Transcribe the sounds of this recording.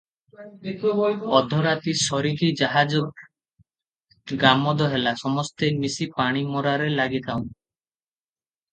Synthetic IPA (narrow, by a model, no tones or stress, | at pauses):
ɔd̪ʱɔɾat̪isɔɾiɾid͡ʒaɦad͡ʒɔ | ɡamɔd̪ɔɦelasɔmɔst̪emisipaɽ̃imɔɾaɾelaɡit̪ʰawn